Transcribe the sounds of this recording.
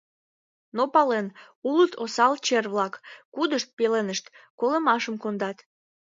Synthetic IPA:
nopɑlen | ulət̪ʰosɑlt͡ɕerβlɑkːud̪əʃt̪̚pelenəʃt̪koləmɑʃəmkond̪ɑt̪

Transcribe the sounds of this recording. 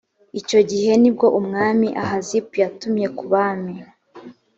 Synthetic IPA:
ico̞ɟiɦe̞nib̚ɡo̞ʔumŋaːmiʔaɦazipujatumje̞kuβami

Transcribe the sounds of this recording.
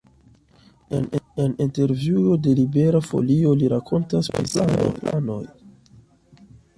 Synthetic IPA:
e̞̰ne̞ninte̞ɾvjuo̞de̞libe̞ɾafo̰lio̞liɾakʰo̞ntaspɾḭsao̰a̰no̞̰j

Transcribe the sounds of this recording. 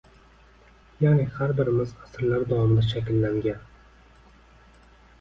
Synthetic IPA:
janɪhaɾbɪɾɪmɪzasɾlaɾd̪avɒmɪd̪aʃakʲɪlːaŋɡʲan

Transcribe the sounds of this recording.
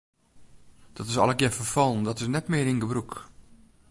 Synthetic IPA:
d̥ɔtɪsɔ̰lˠəkjɛfərfɔlˠndɔtɪsnɛtmɪəɾiŋɡəbruk

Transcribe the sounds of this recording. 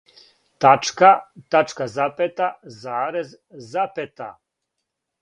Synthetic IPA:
t̪at͡ʂkat̪at͡ʂkazapet̪azaːɾezː | apet̪a̰

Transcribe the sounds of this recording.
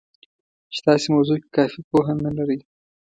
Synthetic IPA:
t͡ʃt̪ɑsemawzoke̥kɑfipoɦanalaɾəj

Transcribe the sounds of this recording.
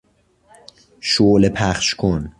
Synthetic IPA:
ʃolepʰæχʃkʰon

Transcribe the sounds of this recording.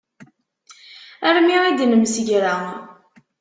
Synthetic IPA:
æɾmiʁid̪nəmsəʝɾa

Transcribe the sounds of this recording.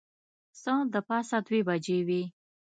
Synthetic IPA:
sɑ̃d̪əpɑsad̪webad͡ʒewi

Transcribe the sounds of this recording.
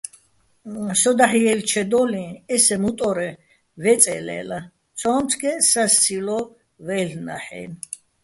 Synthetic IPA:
sɔd̪aħiɛlt͡ʃʰɛd̪ɔlĩɛsɛmut̪ʼɔɾɛ | vɛt͡sʼɛ̰lɛ̰la | t͡sʰɔːnt͡s̪ʰɡʰɛsast͡sʰilɔ | vɛlna̰ħɛ̰ːn

